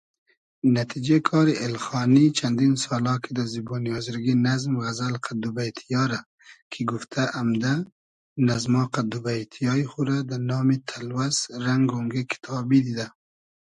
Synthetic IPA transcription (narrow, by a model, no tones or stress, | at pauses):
nat̪ʰid͡ʒekʰɑːɾiʔelxɑːnit͡ʃʰand̪insɑːlɑːkʰid̪azibɔːnijɑzɾɡinazmɣazalqʰad̪ubajt̪ʰijɑɾa | kʰiɡuft̪ʰaʔamd̪a | nazmɑːqad̪ubajt̪ʰijɑːiχuɾad̪anɑːmit̪ʰalwasɾaŋɡoŋɡikʰi̥t̪ʰɑːbid̪id̪a